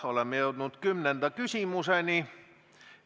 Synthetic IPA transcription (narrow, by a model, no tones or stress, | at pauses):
olemieolt̪unːut̪kymnend̪ækysiˑmuseni